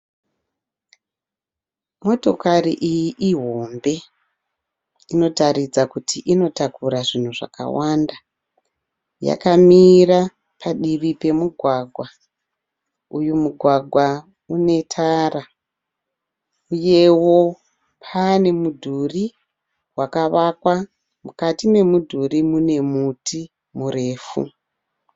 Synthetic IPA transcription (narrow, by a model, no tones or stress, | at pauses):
mo̞to̞karḭʔijiʔiɦo̞mbe̞ | ino̞taɾid͡zakutʰiʔino̞takuɾaʐin̤uʐa̰ka̰wanda | ja̰kamira | pʰaɗiʋipe̞muɡʱwaɡʱwa | ujumuɡʱwaɡʱwa | une̞tʰaːra | uje̞wo̞ | pʰane̞mudʱuri | wakaʋakwa | mukatime̞mudʱurimune̞mutʰi | mure̞ːfṵ